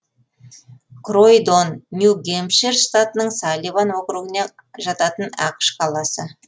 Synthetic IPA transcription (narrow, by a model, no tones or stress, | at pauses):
krojd̪onːjuɡʲemʃeɾst̪at̪ənəɴsɑlʲˠivanwo̞qɾuɡəne | ʒɑt̪ɑt̪ənɑqʃqʰɑlˠɑsə